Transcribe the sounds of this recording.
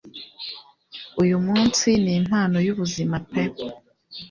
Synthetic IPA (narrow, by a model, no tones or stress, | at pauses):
ujumuːnsiniːn̥haːno̞juβuzimapep